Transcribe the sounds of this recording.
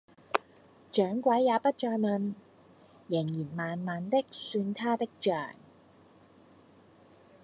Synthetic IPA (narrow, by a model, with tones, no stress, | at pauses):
t͡ʃœː˨˥ŋkʷwɐ˨˥jːaː˨˧pɐ˥t̚t͡ʃɔː˧jmɐ˨˧n | jɪ˨˩ŋjiː˨˩nmaː˨nmaː˨nt̪ɪ˥k̚syː˧nt̪ʰaː˥t̪ɪ˥k̚t͡ʃœ̰ː˨˩ŋ